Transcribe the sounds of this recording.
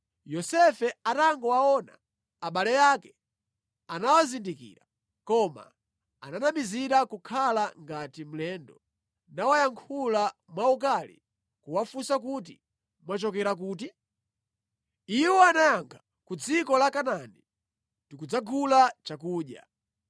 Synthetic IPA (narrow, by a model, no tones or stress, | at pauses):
jɔsɛfɛataŋɡɔwaɔna | aɓalɛjaːkɛ̥ | anawazindikḭːɾa | kɔma̰ | ananamiziɾakukʰalaŋɡatim̩lɛːndɔ | nawajaŋkʰulamwaukalḭ | kuwafusak̬ut̬i | mwat͡ʃɔkɛɾak̬uːti | iwɔanajaŋɡʰa | kud͡zikɔlakanani | tikud͡zaɡulat͡ʃakuːɗja̰